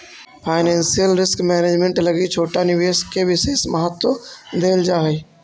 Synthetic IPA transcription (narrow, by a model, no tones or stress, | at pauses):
pʰaːɪnẽːnsijəlɾɪskmɛːneːd͡ʒmẽɳʈlɐɡit͡ʃʰoːʈanɪʋeːskʰeʋɪseːsmɐɦət̪ːod̪eːld͡ʒaːɦeː